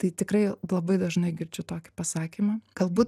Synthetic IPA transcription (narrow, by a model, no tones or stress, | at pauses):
t̪ɐɪt̪ʲɪkɾɐɪlˠɐbɐɪd̪ɐʒnɐɪɡʲɪɾʲd͡ʒʲʊt̪oːkʲɪ̥pɐsɑːkʲiːmɐɡ̥ɐlˠbuːt̪